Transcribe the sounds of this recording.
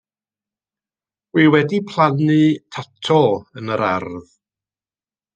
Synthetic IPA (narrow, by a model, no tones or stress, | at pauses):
wiwɛdipʰlˠanɨtʰatʰɔənəɾa̰rð